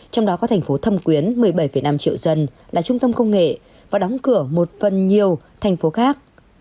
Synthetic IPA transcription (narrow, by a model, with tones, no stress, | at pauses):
t͡ɕɔ˧wŋ͡mɗɔ˨˦kɔ˨˦t̪ʰjŋ̟fo˨˦t̪ʰə˧mkwi˨˦ənmɨ˨˩əjɓə˧˩jfə˧˩jna˧mt͡ɕḭ˧˨əwzə˧nlaː˨˩t͡ɕʊ˧ŋ͡mt̪ə˧mkə˧wŋ͡mŋḛ˧˨ | vaː˨˩ɗɔ˨˦wŋ͡mkɨ˧˩əmo˨˩t̚fə˨˩nɲi˨˩əwt̪ʰa˨˩jŋ̟fo˨˦xaː˦˥k̚